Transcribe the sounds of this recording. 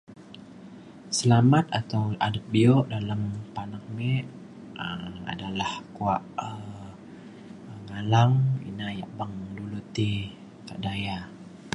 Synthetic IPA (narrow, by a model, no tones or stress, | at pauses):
səlamat̪̚at̪awadət̪̚biɔʔdalampanaŋ̚mɛʔ | əa̰dalahkuaʔə | ŋalaŋḭnaja̰ʔbaŋdulut̪i | kaʔdaja